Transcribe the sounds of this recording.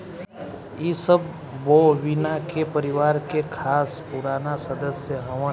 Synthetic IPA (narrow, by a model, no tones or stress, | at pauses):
iːsəbː | oʋɪnakepəɾɪʋaːɾkekʰaːspʊɾaːnasəd̪əsjəɦɐm